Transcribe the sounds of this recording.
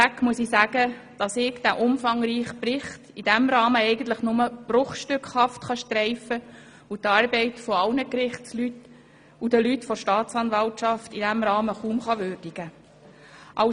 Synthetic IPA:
ækmuəsisæɡə | d̥ɑsɪkd̥æʔʊmfɑŋɾiːχprɪχtid̥æmɾɑːməɛɪɡən̩t̪ləχnʊməb̥rʊχʃtʏkχhɑftχɑʃtɾɛɪfə | utɑːɾbɛɪtfɔɑlnəkrɪχtslyt | ud̥əlytfɔɾʃtɑːt̪t͡sɑnvɑltʃɑftidæmɾɑːməχuːmχɑʋøːrd̥iɡ̥ə | ʔɑʊ

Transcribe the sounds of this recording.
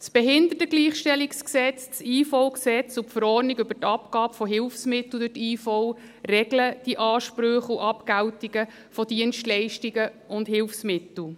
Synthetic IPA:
t͡sb̥ɛɦɪnd̪ətəɡ̥liːχʃtɛliksksɛt͡st͡siːfɔʊksɛt͡sʊpfəɾɔniɡʏb̥ətɑpkɑːbəfɔɦɪlfsmɪt̪l̩d̥ʉtiːfɔʊ | rɛɡləd̥iʔɑːʃpɾøχʊʔɑpkæwtiɡə | fɔd̥iənstlɛɪʃtiɡəʔʊnd̥ɦɪlfsmɪt̪l̩

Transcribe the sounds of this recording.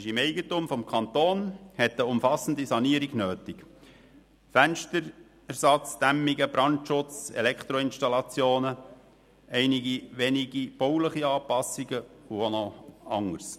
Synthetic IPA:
ɪʃɪmɛɪɡətumfɔmkʰɑnt̪oːnhɛt̪əʊmfɑsən̩d̪isɑniəɾiɡnøːtɪk | fænʃtəɾ | ɛɾsɑt͡sd̪̥æmːiɡəb̥ɾɑntʃʊt͡sɛ̰lɛkt̪ɾɔɪnʃtɑlɑt͡sjoːnə | ɛɪniɡiʋɛniɡib̥ɔʊləχiɑːpɑsːiɡəuonoɑ̰ŋːəɾs

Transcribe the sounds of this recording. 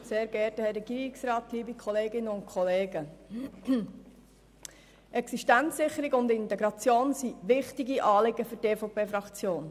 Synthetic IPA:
seːɾɡɛːɾtəhɛrɛɡ̥iːɾɪksɾɑːt̪liːbikʰɔleːɡɪnːəʊntkʰɔleːɡə | ʔɛksiʃtænt͡sːɪχəɾɪɡʊndɪnt̪ɛɡɾɑt͡sjoːnsiʋɪχtɪɡiʔɑːlɪɡəfɵɾteːfɔpeːfɾɑkt͡sjoːn

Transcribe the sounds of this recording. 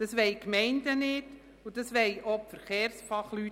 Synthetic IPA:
d̥ɑsʋɛɪkmɛɪndənɪt | ud̥ɑsʋɛjʔɔpfəɾχeːɾsfɑχly

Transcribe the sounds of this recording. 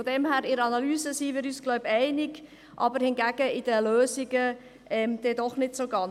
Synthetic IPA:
fɔdɛmhæːɾɪɾɑnɑlyːzəsiːʋɪɾyːsɡ̥lɔʊbɛɪnɪɡ | ʔɑ̰bəɾhɪnɡæɡ̥əɪd̥əløːziɡə | ɛmd̥ɛdɔχnɪtsoɡɑn

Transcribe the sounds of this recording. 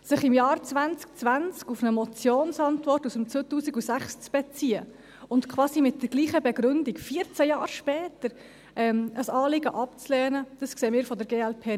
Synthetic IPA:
sɪχɪmjɑːɾt͡svænt͡sk̚t͡svænt͡skufnəmɔt͡sjoːnsɑntvɔrtusəmt͡søːtuːsiɡusæχst͡sb̥ɛt͡siːə | ʊntkʰχvwɑːsimɪt̚d̥əɾɡ̥liːχəbɛɡɾʏndikfiːəɾt͡sæjɑːɾʃpɛːtəɾ | ʔɛməsɑːlɪɡəʔɑpt͡slɛːnəd̥ɑskseːmɪːɾfɔdəɾɡeːɛlpʰeː

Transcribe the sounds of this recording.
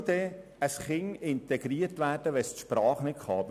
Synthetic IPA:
d̪ɛ | əsχɪŋɪntɛɡ̥ɾiːəɾtʋæːrd̥əʋɛstʃpɾɑːχnɪt̚kχɑːb

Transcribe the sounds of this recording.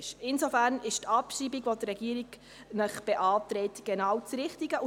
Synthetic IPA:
ʃɪnsofæːɾnɪʃtɑpʃiːbiɡʋot̪rɾɛɡiːəɾiɡ | nəχb̥ɛʔɑːt̪ɾɛːtɡ̥ɛnɑːwt͡sɾɪχtiɡə

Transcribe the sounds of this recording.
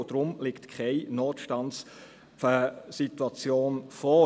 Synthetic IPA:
d̥ɾʊmlɪktkʰχɛɪnɔːtʃtɑns | fəsituɑt͡sjoːnfɔː

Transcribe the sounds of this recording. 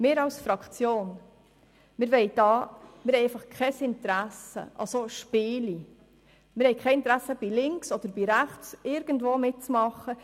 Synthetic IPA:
mɪːɾɑwsfɾɑkt͡sjoːn | mɪːɾʋɛɪd̥ɑːmɪːɾhɛɪɛɪfɑχkʰɛsɪntɾæsə̰ʔɑ̰soʃpɪːli | mɪɾhɛɪkʰɛɪɪnt̪ɾæsːəb̥ilɪŋksɔd̥̪əɾb̥iɾæχt͡sɪɾɡ̥ən̩dvʋoːmɪt̚t͡smɑχə

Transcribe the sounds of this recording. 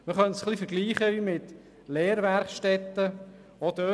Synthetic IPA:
məχœnsχlifəɾɡliːχəʋimɪt | lɛːɾʋæɾχʃtɛt̪ːə | od̪ø

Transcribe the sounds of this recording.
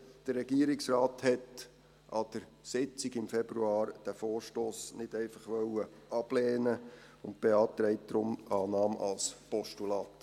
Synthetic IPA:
d̥ərːɛɡiəɾiksrɑːt̪hɛt | ɑd̥̪əɾ | sɪt͡siɡɪmfɛbɾuɑːɾd̥æfoːɾʃtoːsnɪd̥ɛɪfɑχʋœwə | ɑb̥lɛːnəʊnt̚b̥eɑːt̪ɾɛɪt̚d̥̪ɾʊmɑːnɑːmɑ̰lspɔʃtulɑːt̪

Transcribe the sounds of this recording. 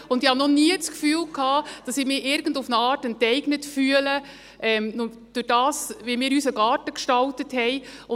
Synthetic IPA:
ʊndɪhɑnɔniət͡skfyːlkʰhɑːd̥ɑsɪmɪʔɪɾɡəndufnəɑːɾtəntɛɪɡnətfyːələ | ʔɛmn | d̥ʊɾd̥ɑːsʋimɪːɾysəɡɑːɾtəkʃtɑltəthɛɪʊ

